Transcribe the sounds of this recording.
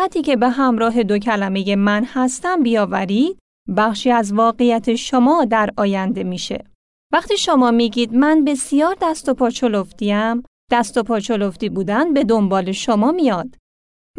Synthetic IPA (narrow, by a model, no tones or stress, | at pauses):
æt̪ʰiːcʰe̞be̞ɦæmɾɒːɦe̞d̪ocʰælæme̞je̞mænhæst̪æmbijɒːvæɾiːd̪̥̚ | bæχʃiːæzvɒːɣejæt̪ʰe̞ʃomɒːd̪æɾʔɒːjænd̪e̞miːʃe̞̰ | væχt̪iːʃo̞mɒːmiːɟiːd̪mænbe̞sijɒːɾd̪æst̪o̞pʰɒːt͡ʃʰoloft̪iæm | d̪̥æst̪opʰɒːt͡ʃʰo̞loft̪iːbuːd̪ænd̪̚be̞d̪o̞mbɒːle̞ʃomɒːmijɒːd̪̥